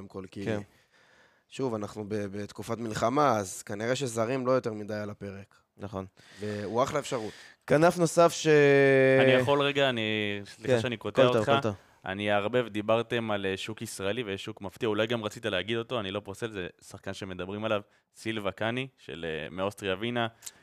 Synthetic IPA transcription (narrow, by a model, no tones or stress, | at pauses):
oemkolki | ʃuvanaχnubebet̪kufat̪milχamaːzkaniʁeʃezaʁimlo̞jo̞t̪e̞ʁmid̪ajalape̞ʁe̞k | naχon | veuaχlaefʃaʁutkanafno̞safʃeannijaχo̞lʁeɡaːniliχaʃeanikot̪eaoχat | a̰niaʁbevd̪ibaʁt̪e̞maleʃukisʁaelivejeʃːukmaft̪iaulajɡamʁat͡sit̪aleaɡid̪o̞t̪o̞anilo̞poʁse̞lzesaχkanʃe̞me̞d̪abʁimalav | silvakaniʃe̞̰lḛmeost̪ʁiavina